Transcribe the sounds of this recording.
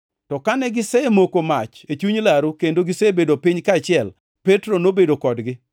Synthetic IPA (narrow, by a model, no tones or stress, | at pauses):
tɔkanɛɡɪsɛemokomat͡ʃet͡ʃuɲlaɾukendoɡɪsebedopiɲkaːt͡ʃɪɛl | pɛtɾonobedokɔdɡɪ